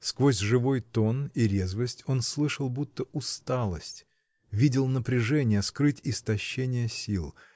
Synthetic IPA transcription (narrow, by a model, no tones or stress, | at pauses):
skvosʲʐɨvo̞jt̪o̞niɾʲezvəsʲtʲo̞nslˠɨʂəlˠbut̪ːəʊst̪alˠəsʲtʲ | vʲidʲɪlˠnəpɾʲɪʐɛnʲɪjəskɾɨtʲɪst̪ɐɕːenʲɪjəsʲilˠ